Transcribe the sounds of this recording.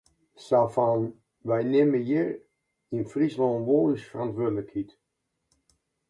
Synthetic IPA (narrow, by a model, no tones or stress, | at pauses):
safan | ʋɛjnɪməjɪr | infrislɔnʋoːləsfərantʋøədələkhit